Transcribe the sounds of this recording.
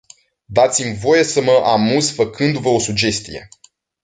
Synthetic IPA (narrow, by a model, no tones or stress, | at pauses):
d̪at̪simvo̞je̞səməʔamuzfəkɨnd̪uvəo̞sud͡ʒe̞st̪ḭje̞̰